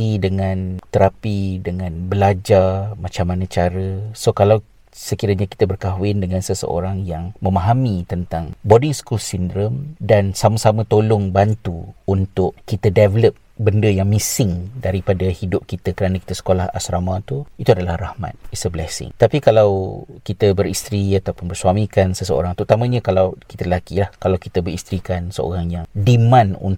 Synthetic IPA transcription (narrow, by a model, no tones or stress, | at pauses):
idəŋãnt̪əɾapidəŋãnbəlad͡ʒarmãt͡ʃamːanãt͡ʃaɾəsokalaw | səkiɾaɲaki̥t̪abərkaɦwɪndəŋãnsəsə̰ʔo̰ɾaŋjaŋmə̃maɦamit̪ənt̪aŋbodɪŋskulsindɾəmdansamasamãt̪olʊŋbant̪uːnt̪ʊʔkit̪ədɛvələp̚ | bəndəjaŋmisɪŋdaɾipadahidʊp̚kit̪akəɾanaki̥t̪asə̥kolaha̰sɾamãt̪uit̪uadalahrahma̰t̪̚isəblɛsɪ̰ŋt̪apikalawkit̪əbərist̪ɾiat̪awpʊnbərsuamikansəsəo̰ɾaŋt̪ut̪amãɲãkalawki̥t̪aəlakilahkalawkit̪abərist̪ɾikansəo̰ɾaŋjaŋdimãnṵn